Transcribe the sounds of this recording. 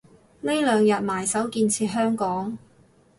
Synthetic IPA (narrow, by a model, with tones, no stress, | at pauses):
ne˥jlœː˨˧ŋjɐ˨t̚maː˨˩jsɐ˨˥wkiː˧nt͡sʰiː˧t̚ɦœː˥ŋkɔː˨˥ŋ